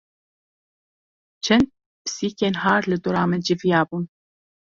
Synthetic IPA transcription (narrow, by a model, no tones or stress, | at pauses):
t͡ʃʰɛnt̪̚ | psiːkeːnhɑːɾlɨd̪ʊɾɑːmɛd͡ʒivjɑːbun